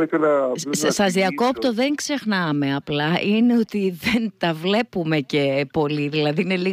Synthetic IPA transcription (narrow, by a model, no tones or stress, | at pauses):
ekɐlɐsɐzðiɐko̞pt̪o̞ðe̞ŋkse̞xnɐme̞ɐplɐʔineot̪iðent̪ɐvle̞pume̞ce̞po̞liðilɐðiine̞li